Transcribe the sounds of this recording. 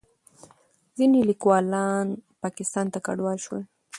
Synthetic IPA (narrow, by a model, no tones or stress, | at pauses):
zinelikwɑlɑnpɑkɪst̪ɑnt̪aka̰ɖwɑlʃwe